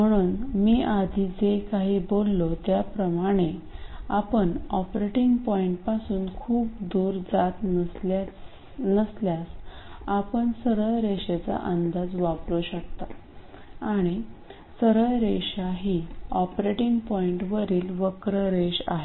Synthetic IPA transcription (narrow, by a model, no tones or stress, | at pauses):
m̤əɽ̃uːnmiːʔad̪ʱiːd͡zekaɦiːbolːot̪japɾəmaɽ̃eapəɳɔpɾeʈiŋɡpɔiɳʈpasuːnkʰuːp̚d̪uːɾd͡zat̪ | nəsljasapəɳsəɾəɭɾeɕet͡sa̰ʔənd̪ad͡zʋapluɕək̚t̪a | aɽ̃i | səɾəɭɾeɕaɦiːɔpɾeʈiŋɡpɔiɳʈʋəɾiːlʋəkɾəɾeɕa̰ɦe